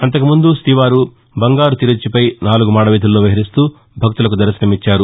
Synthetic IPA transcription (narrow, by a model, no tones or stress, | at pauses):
ɐnt̪̬ɐkumund̪ust̪iʋaːɾu | bɐŋɡaːɾut̪iɾɐt͡ʃːipɐjnaːluɡumaːɽɐʋiːd̪ulːoːʋɐɦɐɾist̪uː | bʱɐk̚t̪ulɐkud̪ɐɾɐsinɐmit͡ʃːaːɾu